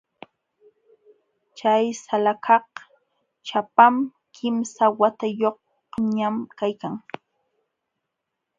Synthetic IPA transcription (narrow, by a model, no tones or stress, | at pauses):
t͡ʃajsalakʰɑq | t͡ʃapam | kʰɪmsawat̪ajoh̚ | ɲamkajkaŋ